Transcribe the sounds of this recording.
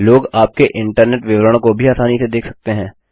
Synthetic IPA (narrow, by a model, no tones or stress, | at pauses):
loːɡaːp̚keʔɪ̃ɳʈəɾneːʈʋɪʋɾəɽ̃kobʱiaːsaːnised̪eːkʰsɐk̚t̪eɦɛ̃ː